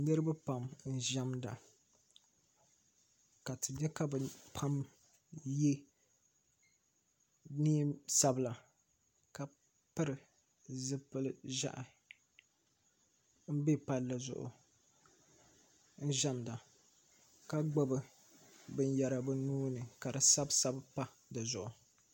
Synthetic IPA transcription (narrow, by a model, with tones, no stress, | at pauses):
nɨ˦ɾɨ˦ba˦pa˨mn̩˦˨ʒa˦mda̰˨ | ka˨tɨ˨dɛ˦ka˦bɨ˨pʰa˦m | je˦ | niː˦sa˨bɨ˨la˨ | ka˨ | pɨ˦ɾɨ˨ | zɨ˦pɨ˦lɨ˦ʒa̰˦ʔa˨ | m̩˦be˦pa˦la˨zʊ̰˨ʔʊ̰˨ | n̩˦ʒa˦mda˨ | ka˦ɡ͡bo˦bɨ˦ | bɨ˦n˦ja˨ɾa˨bɨ˦nuː˦nɨ˨ka˨dɨ˨sa˦bsa˦bpa˦ | dɨ˨zʊ˨ʔʊ˨